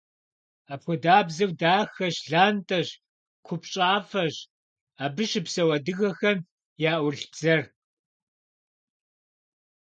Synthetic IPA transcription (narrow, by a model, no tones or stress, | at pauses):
aːpxʷʊdaːbzɐwdaːxɐɕɮaːntʼɐɕ | kʷʰʊpɕʼaːfɐɕ | aːbɨʃɪpsɐwɐdɨɣɐxɐm | jaːʔʷʊɮd͡z̥ɐr